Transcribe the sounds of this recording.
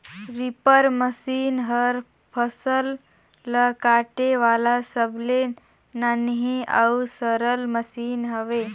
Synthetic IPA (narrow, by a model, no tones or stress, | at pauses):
ɾipəɾməsiːnɦəɾ | pʰəsəlː | əkaʈeʋalasəble | nanɦia̰wsəɾəlməsiːnɦəʋe